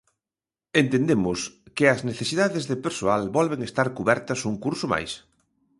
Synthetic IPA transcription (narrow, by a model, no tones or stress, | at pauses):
ent̪end̪emʊskɪɐzneθesiðaðezðepeɾsoalbɔlβeŋest̪aɾkuβɛɾt̪ɐsuŋkuɾsʊma̰js